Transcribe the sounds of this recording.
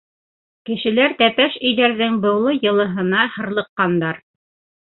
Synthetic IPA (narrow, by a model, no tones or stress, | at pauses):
kɘ̆ʃɘ̆læɾt̪æpæʃɵ̆jðæɾðɘŋbɤ̆wlˠɤjɤ̆lˠɤ̆ɦɤ̆nɑhɤ̆ɾlˠɤ̆qːɑnd̪ɑɾ